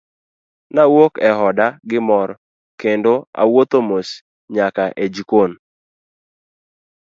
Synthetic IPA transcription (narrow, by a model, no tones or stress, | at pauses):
nawokɛɦɔdaɡɪmɔɾɔ | kendoa̰wot̪omos | ɲakaʔed͡ʒikon